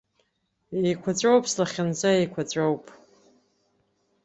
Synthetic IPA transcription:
ejkʷʰat͡ɕʷʼowpʰʼslaχʲɪnt͡saejkʷʰat͡ɕʷʼowpʼ

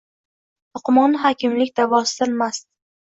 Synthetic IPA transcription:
ʊqʊmɒnɪɦɒkʲʰɪmlɪkʲd̪̥avɒsɪd̪anmast̪

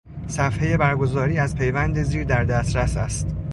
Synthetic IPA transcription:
sæfhe̞je̞bæɾɡo̞zɒːɾiːæzpʰe̞jvænd̪eziːɾd̪æɾd̪æst̪ɾæsæ̰st̪

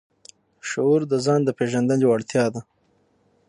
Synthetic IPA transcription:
ʃauɾd̪əzɑːnd̪əpeʒand̪anjowaɽt̪jɑːd̪a

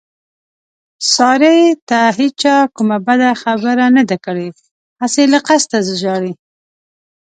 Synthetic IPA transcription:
sɑɾet̪aɦit͡ʃɑkumabad̪axabəɾanad̪akəɽe | aselaqast̪azəʒɑɽi

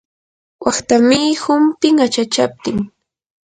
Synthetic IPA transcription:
wɑχt̪amɪːhʊmpɪŋat͡ʃat͡ʃap̚t̪ɪŋ

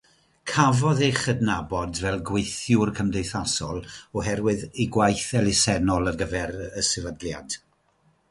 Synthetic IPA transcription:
kʰavɔðeχədnabɔdvɛlˠɡwejθjʊrkʰəmdeɨθasɔlˠɔhɛɾwɨðiɡwajθɛlˠɪsɛnɔlˠərɡəvɛɾəsɪvədlja̰d̥

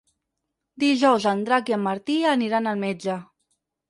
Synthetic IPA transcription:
d̪iʒɔwzand̪ɾakiəmːəɾt̪iəniɾanəlˠmed͡ʒə

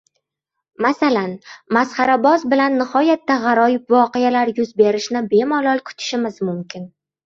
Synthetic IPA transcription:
masalanmasχɑɾabɒzbɪlanːɪχɒjat̪ːaʁɑɾɒjɪpvɒqejalaɾjʊzbe̞ɾɪʃnɪbe̞malˠɒlˠkʰʊ̥t̪ʰɪ̥ʃɪmɪzmʊmkʲɪn

